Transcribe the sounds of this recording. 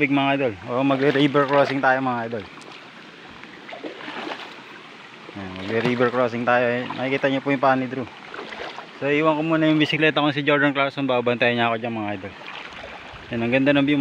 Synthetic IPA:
bɪɡ̚mɐŋʔajd̪olʔoʔomɐɡɛɾibɛɾkɾoːsɪŋt̪aːjomɐŋajd̪ol | jamɐɡɛɾiːbɛɹkɾoːsɪŋt̪aːjoɛnɐ̰kikiːt̪ɐɲopʊjʊŋpaːnɪd̪ɾu | soʔiːwɐŋkomuːnɐjʊŋbɪsɪklɛːt̪ɐkoŋsɪd͡ʒoɾd̪ɐnklawsonbabbɐnt̪ajɐɲaːkod͡ʒanmɐŋaʔajd̪ol | jɐnɐŋɡɐnd̪anɐmb

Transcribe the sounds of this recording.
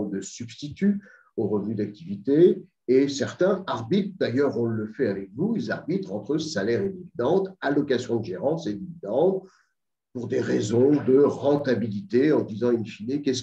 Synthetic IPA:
d̪əsybst̪it̪y | oʁəvnyd̪ak̚t̪ivit̪eː | sɛʁt̪ɛ̃aʁbit̪χd̪ajœʁɔ̃ləfɛavɛkvuilzaʁbit̪χɑ̃t̪χəsalɛʁed̪ivid̪ɑ̃t̪alɔkasjɔ̃d̪əʒeʁɑ̃sed̪ivid̪ɑ̃t̪̚ | puʁd̪eʁezɔ̃d̪əʁɑ̃t̪abilit̪eɑ̃d̪izɑ̃infinekʲɛs

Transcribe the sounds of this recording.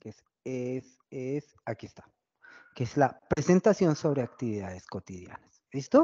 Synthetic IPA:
kes | es | es | akiest̪ḁ | keezlapɾe̞se̞nt̪asjo̞nso̞βɾe̞akt̪iβiðaðe̞sko̞t̪iðja̰nas | est̪o

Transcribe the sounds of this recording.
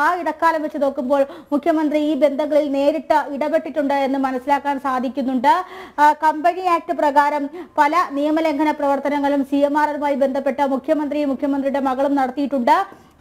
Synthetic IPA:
aːiɽɐkːaːlɐmʋɐt͡ɕːɨno̞ːkːumbo̞ːɭmukʰjɐmɐnd̪riiːbe̞nd̪ʱɐŋːɐɭilne̞ːɾiʈːɨiɽɐbe̞ʈːiʈːuɳɖɨe̞nːɨmɐnɐsːilaːkːaːnsaːd̪ʱikʲːunːuɳɖɨkɐmbɐniaːk̚ʈɨprɐɣaːɾɐmpɐlɐnijɐmɐle̞ŋɡʰʱɐnɐprɐʋɐrt̪ɐnɐŋːɐɭumsijɐmaːrɐlumaːjibend̪ʱɐpːe̞ʈːɨmukʰjɐmɐnd̪rimukʰjɐmɐnd̪riɽe̞mɐɣɐɭumnɐɽɐt̪ːijiʈːuɳɖɨ

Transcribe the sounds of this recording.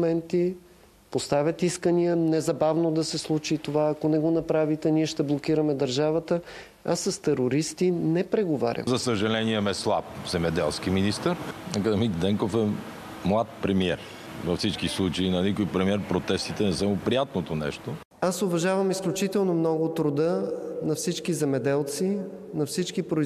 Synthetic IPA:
mɛnt̪i | post̪avʲət̪iskəniənɛzɐbavnod̪ɐsɛslˠut͡ʃit̪ovaːkonɛɡonɐpɾavit̪ɛniɛʃt̪ɛblˠok̟iɾəmɛd̪ɐɾʒavət̪ə | asːɐst̪ɛɾoɾist̪inɛpɾɛɡovaɾʲə̰zɐsəʒɐlɛniɛmɛslˠa̰p̚zɛmɛd̪ɛlˠskiminist̪əɾɐkəd̪ɐmikd̪ɛŋkofɛ | mlˠat̪̚pɾɛmiɛɾ | vɐfsit͡ʃkislˠut͡ʃəinɐnikojpɾɛmiɛɾpɾot̪ɛst̪it̪ɛnɛsamopɾijat̪not̪onɛ̰ʃt̪o | asʊvɐʒavəmisklʲut͡ʃit̪ɛlˠnomnɔɡʊt̪ɾʊd̪ənɐfsit͡ʃkizɛmɛd̪ɛlˠt̪si | nɐfsit͡ʃkipɾʊ

